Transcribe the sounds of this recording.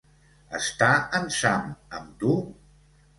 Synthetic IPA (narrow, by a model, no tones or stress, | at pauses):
əst̪aənsaməmt̪u